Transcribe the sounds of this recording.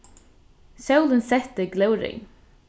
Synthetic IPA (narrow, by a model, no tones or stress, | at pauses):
sawlənsɛt̪əɡlœwɾɪ̰